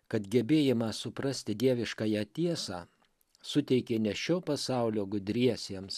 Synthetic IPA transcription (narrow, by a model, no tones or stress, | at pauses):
kɐt̪ɡʲɛbʲeːjɪmɑːsʊpɾɐsʲt̪ʲɪd̪ʲiɛʋʲɪʃkɑːjæt̪ʲiɛsɑː | sʊt̪ʲɛɪkʲeːnʲɛʃʲoːpɐsɑˑʊlʲoːɡʊd̪ʲɾʲiɛsʲiɛms